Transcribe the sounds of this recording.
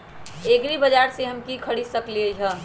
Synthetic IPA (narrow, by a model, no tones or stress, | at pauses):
eːkɾibɐd͡ʒaːɾseɦɐmkikʰəɽisəklieɦə̃